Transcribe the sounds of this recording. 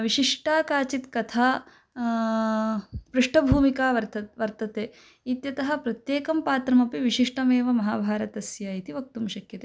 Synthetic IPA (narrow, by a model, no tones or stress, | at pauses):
ʋiʃiʂʈaːkaːt͡ʃit̪kɐt̪ʰaː | pɾuʂʈɐbʱuːmikaːʋɐɾt̪ɐʋɐɾt̪ɐt̪eː | it̪jɐt̪ɐɦɐ̆pɾɐt̪jeːkɐmpaːt̪ɾɐmɐpiʋiʃiʂʈɐmeːʋɐmɐɦaːbʱaːɾɐt̪ɐsjaːit̪iʋɐk̚t̪umʃɐkjɐt̪e